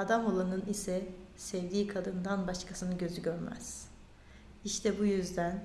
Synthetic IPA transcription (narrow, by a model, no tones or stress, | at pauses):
ad̪amo̞lˠanɯnisɛsɛvd̪iːkʰad̪ɯnd̪anbaʃkʰasɯnɯɟø̞zyɟøɾmæ̰z̥ | iʃt̪ʰɛbujyzd̪æn